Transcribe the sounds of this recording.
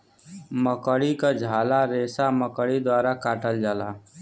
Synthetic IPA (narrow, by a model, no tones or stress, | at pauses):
məkəɽikad͡ʒʱaːlaɾeːsaməkəɽid̪waːɾakaːʈəld͡ʒaːlaː